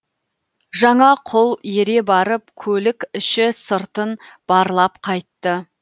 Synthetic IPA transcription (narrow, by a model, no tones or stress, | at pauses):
ʒɑɴɑqʰʊlˠjeɾe̞bɑɾəp̚kʲʰɵlɪkʲɪʃɪsəɾt̪ənb̥ɑɾlˠɑpqʰɑjt̪ːə